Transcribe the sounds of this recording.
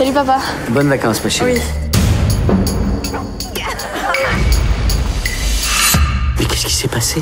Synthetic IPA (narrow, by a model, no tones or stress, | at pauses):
salipavabɔnvakɑ̃smaʃei | mɛkʲɛskʲi̥sɛpase